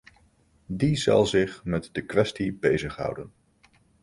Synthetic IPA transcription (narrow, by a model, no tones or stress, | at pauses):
dizɑ̰lˠzɪχmɛtdəkʋɛstibejzəχɦʌ̰wdən